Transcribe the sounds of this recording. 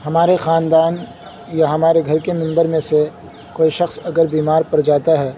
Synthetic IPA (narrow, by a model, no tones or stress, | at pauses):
ɦɐmaːɾexaːnd̪aːn | jaɦɐmaːɾeɡʱɐɾkemɪ̃mbəɾmẽse | koːiʃɐxsɐɡəɾbiːmaːɾpɐɾd͡ʒaːt̪aɦɛː